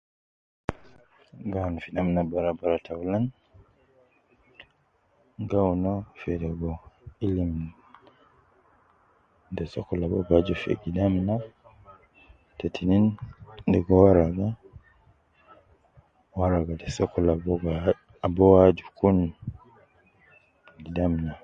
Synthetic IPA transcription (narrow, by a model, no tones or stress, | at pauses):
ɡawnɔfiɗamnabaɾabaɾatʰawlan | ɡawnɔfɛdɛɡɔilim | dɛsɔkɔlabɔɡad͡ʒɔfḛɡidamna | tetʰinindɛɡɔwaɾaɡa | waɾaɡadɛsɔkːɔlabɔɡa | bɔwad͡ʒukun | ɡidamna